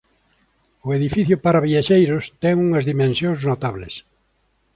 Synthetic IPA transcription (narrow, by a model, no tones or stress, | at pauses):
ʊeðifiθjʊpaɾaβiaʃejɾʊst̪ɛŋuŋɐzðimẽnsjõŋznot̪aβlɪ̰s